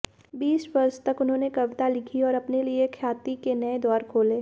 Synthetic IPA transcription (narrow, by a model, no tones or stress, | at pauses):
biːsbɐɾst̪ɐkʊnɦõːnekɐʋɪt̪alɪkʰiɔːɾɐpneliekʰjaːt̪ikenɐed̪ɔːɾkʰoːleː